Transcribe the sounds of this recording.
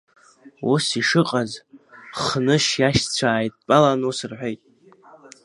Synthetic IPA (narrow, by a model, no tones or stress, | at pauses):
usiʂɨqʼazχnɨʃjaʃt͡sʷʰaːjtʼpʼalanusɨrħʷᶣojtʼ